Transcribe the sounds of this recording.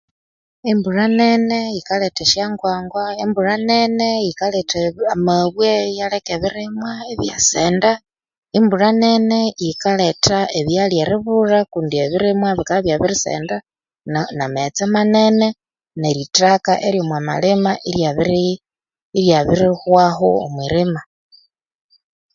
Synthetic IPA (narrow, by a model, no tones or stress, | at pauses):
emburanenejikaleteʃjaŋɡwaːŋɡwaemburanenejikaleteamaβwejalekeβiɾimwaeβja̰seːnda | imburanenejikale̞taeβjaljeɾiβurakuːndieβiɾimwaβikaβjaβiɾisḛːnda | nnamet͡semanene | neɾitakaʔeɾjomwama̰limaʔijaβiɾ | iɾjaβiɾixwaxo̰o̰mwiɾima